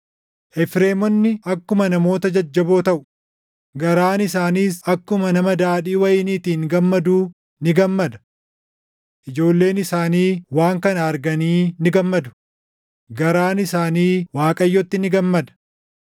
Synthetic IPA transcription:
ʔɛfɾe̞ːmɔnːɪɐkːʊmɐnɐmo̞ːt̪ɐd͡ʒɐd͡ʒːɐbo̞ːt̪ɐʔʊ̥ | ɡɐɾaːnɪsaːniːsɐkːʊmɐnɐmɐd̪aːᶑiːwɐjɪniːt̪iːnɡɐmːɐd̪uː | nɪɡɐmːɐd̪ɐ̥ | ʔɪd͡ʒo̞ːlːe̞ːnɪsaːniːwaːŋkɐnɐɐɾɡɐniːnɪɡɐmːɐd̪ʊ̥ | ɡɐɾaːnɪsaːniːwaːkʼɐjːɔt̪ːɪnɪɡɐmːɐd̪ɐ̥

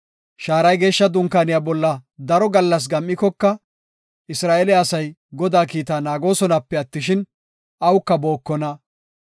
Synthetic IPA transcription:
ʃaːɾɐjɡe̞ːʃːɐd̪ʊŋkaːnɪjabɔlːɐd̪ɐɾɔɡɐlːɐs̬ɡɐmʔɪkːɔkːɐ | ʔɪsɾaːʔɛlɪːsɐjɡɔd̪aːkiːt̪aːnaːɡo̞ːsɔnɐpːɛɐt̪ːɪʃɪn | ʔɐwkːɐbo̞ːkːɔnɐ

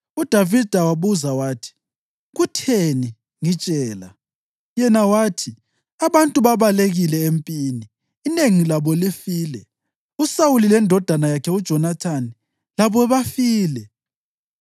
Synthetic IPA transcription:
ud̥ʱavid̥ʱawaβuzawaːtʰi̥ | ɣutʰeni | ŋit͡ʃʼɛːla | jɛnawaːtʰi | aβantʼuβaβaleɣilɛempʼiːniː | neŋilaβɔlifiːlɛ | usawulilɛndʱɔd̥ʱanajakʰɛud̥ʒ̥ʱɔnatʰani | laβɔβafiːlɛ

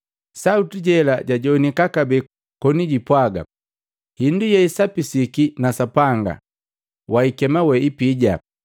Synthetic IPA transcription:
sautiɟɛlaɟaɟɔnikakabɛ | kɔniɟipwaɡa̰ | hindujɛisapisikinasapaŋɡa̰ | waikɛmawɛipiɟa

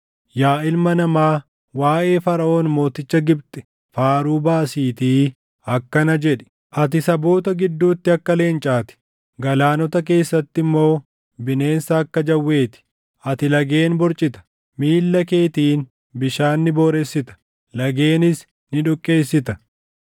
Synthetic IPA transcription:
jaːʔɪlmɐnɐmaː | waːʔe̞ːfɐɾɐʔo̞ːnmo̞ːt̪ɪt͡ʃːɐɡɪbt̪ʼɛ̥ | faːɾuːbaːsiːt̪iː | ɐkːɐnɐd͡ʒɛᶑɛ̥ | ʔɐt̪ɪsɐbo̞ːt̪ɐɡɪd̪ːuːt̪ːɪɐkːɐle̞ːnt͡ʃʼaːt̪ɪ̥ | ɡɐlaːnɔt̪ɐk̬e̞ːsːɐt̪ːɪmːo̞ː | bɪne̞ːnsɐɐkːɐd͡ʒɐwːe̞ːt̪ɪ̥ | ʔɐt̪ɪlɐɡe̞ːnbɔɾt͡ʃʼɪt̪ɐ̥ | miːlːɐke̞ːt̪iːn | bɪʃaːnːɪbo̞ːɾesːɪt̪ɐ̥ | lɐɡe̞ːnɪs | nɪᶑʊkʼːe̞ːsːɪt̪ɐ

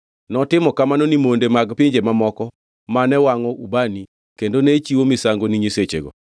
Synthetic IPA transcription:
nɔtɪmɔkamanonimondemaɡpɪɲd͡ʒemamɔkɔ | manɛwaŋɔʔubani | kendonet͡ʃiwomisaŋɡoniɲiset͡ʃeɡɔ̰

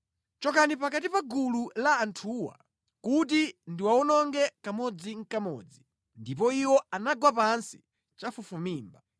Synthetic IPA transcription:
t͡ʃɔkanipakat̬ipaɡululaːntʰuwa̰ | kut̬indiwaɔnɔŋɡɛkamɔd͡ziŋ̩kamɔ̰ːd͡zi | ndip̬ɔiwɔanaɡwapansi̥ | t͡ʃafufumiːmba

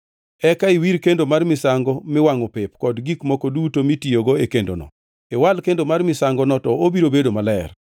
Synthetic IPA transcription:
ɛkaiwiɾkendomarmɪsaŋɡɔmɪwaŋɔpɪpkɔdɡikmɔkodutomitioɡoekendo̰nɔ̰ | ɛwalkendomarmɪsaŋɡɔnɔtɔobiɾobedomalɛɛ̰r

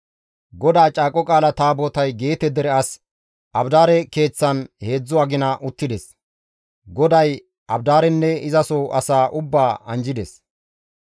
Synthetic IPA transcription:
ɡɔd̪aːt͡ʃʼaːkʼːɔkʼaːlɐt̪aːboːt̪ɐjɡe̞ːt̪ɛd̪ɛɾɛɐs | ʔɐbd̪aːɾɛke̞ːt͡sːɐnhe̞ːd͡zːʊɐɡɪnɐʔʊt̪ːɪd̪ɛs | ɡɔd̪ɐj | ɐbd̪aːɾɛnːɛɪzɐsoʔɐsaːʔʊbːaːɐnd͡ʒɪd̪ɛs

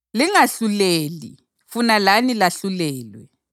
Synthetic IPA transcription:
liŋaɬuleːlḭ | funalanilaɬulɛːlwɛ̰

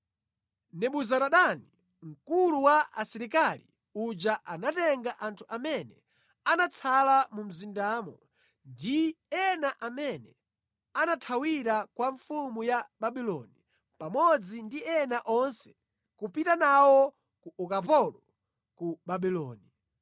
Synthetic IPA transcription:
nɛɓuzaɾaɗani | ŋ̩kuluwaʔasiɾikalḭ | ud͡ʒaʔanatɛŋɡaʔantʰuʔamɛnɛ̰ | anat͡sʰalamum̩zindaːmɔ | ndiɛnaʔamɛnɛ | anatʰawiɾakwaɱfumujaɓaɓilɔ̰ni | pamɔd͡zindiɛnaʔɔnsɛ̥ | kupitanawɔ | kuʔɔkapɔlɔ | kuɓaɓilɔ̰ːni

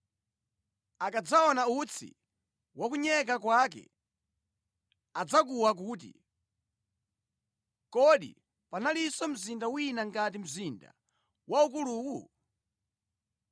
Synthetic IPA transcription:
akad͡zaɔnaut͡sʰḭ | wakuɲɛk̬akwaːk̬ɛ̰ | ad͡zakuwak̬uːt̬ḭ | kɔɗḭ | panalisɔm̩zindawinaŋkat̬im̩zinda̰ | waukuluːwu

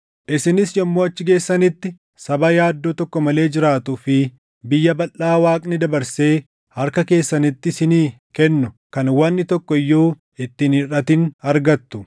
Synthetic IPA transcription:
ʔɪsɪnɪsjɔmːoːɐt͡ʃːɪɡe̞ːsːɐnɪt̪ːɪ | sɐbɐjaːd̪ːoːt̪ɔkːɔmɐle̞ːd͡ʒɪɾaːt̪ʊfɪ | bɪjːɐbɐlːaːwaːkʼnɪd̪ɐbɐɾse̞ː | hɐɾkɐke̞ːsːɐnɪt̪ːɪsɪniː | kɛnːʊ | kɐnwɐnːɪt̪ɔkːɔɪjːoː | ɪt̪ːɪnɪrɐt̪ɪnɐɾɡɐt̪ːʊ̥

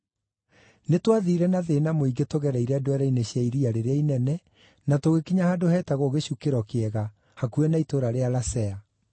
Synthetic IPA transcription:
netwaðiɾɛnaðenamoiɡetoɣɛɾaiɾeadwɛɾaineɕjaiɾiaɾeɾeainɛnɛ | natoɣekiɲahadohɛːtaɣoɣeɕukeɾɔkeɛɣa | hakuɛnaitoɾaɾealasɛa

